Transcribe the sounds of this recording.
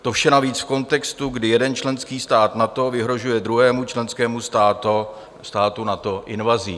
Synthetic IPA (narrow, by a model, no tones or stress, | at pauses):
t̪ofʃɛnaviːt͡sfko̞nt̪ɛkst̪uɡdɪjɛdɛnt͡ʃlɛnskiːst̪aːt̪nat̪o̞vɪɦɾo̞ʒujɛd̪ɾuɦɛːmut͡ʃlɛnskɛːmust̪aːt̪o | st̪aːt̪unat̪o̞ʔɪnvaziː